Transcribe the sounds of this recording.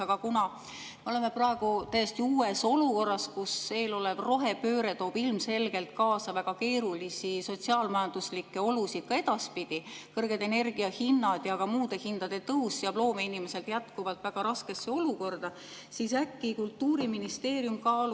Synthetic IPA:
ɑɡ̥ɑkunɑ | meo̞le̞me̞prɑeɡ̥ut̪æjest̪iuːe̞so̞luko̞rːɑskusve̞ːlo̞le̞vro̞ɦe̞pø̞ːɾe̞t̪o̞ːb̥ilmse̞lɡ̥e̞lt̪̚kɑːsɑvæɡ̥ɑke̞ːɾulisiso̞tsiɑːlmɑjɑnd̪uslikːe̞o̞lusid̪̥kɑe̞d̪̥ɑspid̪̥ikɤrɡ̥ed̪e̞ne̞rɡ̥iɑhinːɑd̪̥jɑkɑmuːd̪̥e̞hind̪̥ɑd̪̥e̞t̪ɤussiɑblo̞ːmeinimese̞lt̪jæt̪kuvɑlt̪ˑvæɡ̥ɑɾɑske̞sːeo̞luko̞rd̪̥ɑ | sisækːikult̪ːuːɾiminist̪e̞ːɾjumkɑːlu

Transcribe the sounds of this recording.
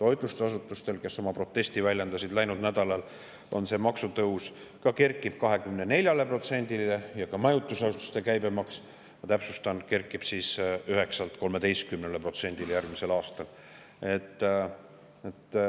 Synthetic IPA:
t̪o̞jd̪̥lust̪ɑs̬ut̪ːˑust̪e̞lke̞sːo̞mɑpro̞t̪ːˑe̞st̪ivælʲje̞nd̪̥ɑsid̪̥læjnud̪næd̪̥ɑlɑl | o̞nse̞mɑksut̪ɤus | kɑke̞rkːˑib̥kɑɦe̞kymnene̞lʲjɑle̞pro̞t̪se̞nʲd̪̥ilejɑkɑmɑjut̪ːˑusɑsut̪u̥st̪e̞kæjbemɑks | jɑt̪æpsust̪ɑnke̞rkːˑib̥siːsyɦe̞ksɑlt̪ko̞lme̞d̪e̞jst̪̚kymnelepro̞t̪se̞nʲd̪iljærɡ̥mise̞lɑːst̪ɑl | e̞t̪ːˑ | et̪ː

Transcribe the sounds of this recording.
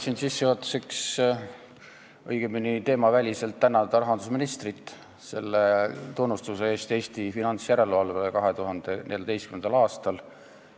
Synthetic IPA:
sinsisːeot̪ːˑu̥seks | ɤ̰jɡ̥eminit̪e̞ːmɑvælʲise̞lt̪ːænːɑt̪d̪ɑɾɑɦɑnd̪usminist̪rit̪ːˑ | se̞̰lːet̪unːust̪use̞eːst̪e̞ːst̪ifinɑnt̪sjæɾe̞luɑlvelekɑɦe̞t̪uɦɑnd̪̥e̞ne̞ljɑd̪e̞jst̪kymend̪ɑlɑːst̪ɑl

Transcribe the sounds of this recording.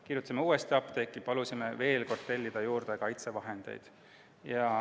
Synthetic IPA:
kirjut̪ːˑsimeuːest̪iɑpt̪e̞kːˑipɑlusʲimeve̞ːlko̞rd̪̥t̪ːe̞lʲːid̪̥ɑjuːrd̪̥e̞kɑjt̪se̞vɑɦend̪̥e̞̰jd̪̥ | jɑ

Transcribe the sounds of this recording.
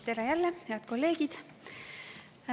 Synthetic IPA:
t̪ːeɾejælːehe̞ɑt̪ko̞lːe̞ːɡ̥id̪̥

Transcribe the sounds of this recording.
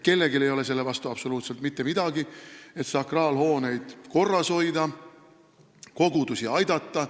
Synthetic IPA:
ke̞lːeɡile̞jo̞le̞se̞lːe̞vɑst̪uɑb̥so̞luːt̪se̞lt̪mit̪ːe̞mid̪̥ɑɡie̞t̪sɑkrɑːlho̞ːne̞jd̪̥ko̞rːɑso̞jd̪ɑ | ko̞ɡ̥ud̪̥usiɑjd̪ɑt̪ːɑ

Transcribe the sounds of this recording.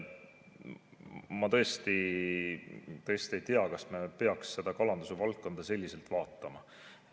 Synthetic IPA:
mɑt̪ɤ̞est̪i | t̪ɤ̞est̪ie̞jt̪eɑkɑsmepe̞ɑksːe̞d̪̥ɑkɑlɑnd̪usevɑlt̪̚kːo̞nd̪̥ɑse̞lʲːise̞lt̪vɑːt̪ːˑɑmɑ

